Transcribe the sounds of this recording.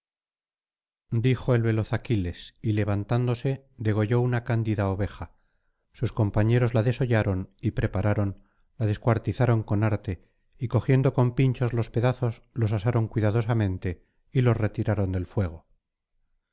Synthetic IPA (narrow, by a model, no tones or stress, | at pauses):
d̪ixoe̞lβe̞lo̞θakile̞sile̞βant̪and̪o̞se̞ | ðe̞ɣ̞o̞ʝo̞unakand̪iðaoβe̞xa | susko̞mpaɲe̞ɾo̞zlaðe̞so̞ʝaɾo̞nipɾe̞paɾʔaɾo̞n | laðe̞skwaɾt̪iθaɾo̞ŋko̞naɾt̪e̞ | iko̞xje̞nd̪o̞ko̞mpint͡ʃo̞zlo̞spe̞ðaθo̞zlo̞sasaɾo̞ŋkwiðaðo̞samẽ̞nt̪e̞ | ilo̞sre̞t̪iɾaɾo̞nd̪e̞lfwe̞ɣ̞o̞